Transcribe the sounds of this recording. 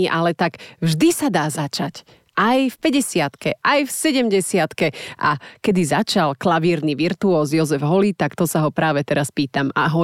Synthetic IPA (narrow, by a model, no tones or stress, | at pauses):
iʔalɛt̪aɡvʒd̪isad̪aːzat͡ʃac | ʔajfpɛɟɛsɪat̪kɛʔajfsɛɟɛmɟɛsɪat̪kɛʔakɛd̪izat͡ʃalklaʋiːɾniʋiɾt̪uɔːzjɔzɛvɦɔlit̪akt̪ɔsaɦɔpɾaːʋɛt̪ɛɾaspiːt̪ama̰ɦɔ